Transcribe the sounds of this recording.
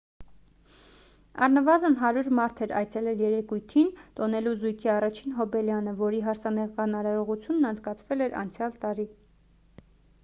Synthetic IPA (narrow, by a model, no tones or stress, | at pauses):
ɑ̰rnəvɑzənɦɑɾuɾmɑɾt̪ʰɛɾɑ̰jt͡sʰɛlɛljɛɾɛkujt̪ʰint̪ɔnɛluzujkʰiɑrɑt͡ʃʰinɦɔbɛljɑnəvɔɾiɦɑɾsʰɑnɛkɑnɑɾɑɾɔʁut͡sʰjunːɑnt͡sʰkɑt͡sʰvɛlɛɾɑ̰nt͡sʰjɑlt̪ɑɾi